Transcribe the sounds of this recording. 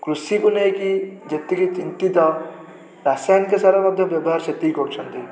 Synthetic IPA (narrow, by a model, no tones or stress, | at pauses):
kɾusikunekid͡ʒɐt̪ːikit͡ʃint̪it̪ɔ | ɾasajnkesaɾamɐd̪ʱjɐbjɐbɔɦaɾt͡ʃɐt̪ːikoɾt͡ʃʰɐnt̪i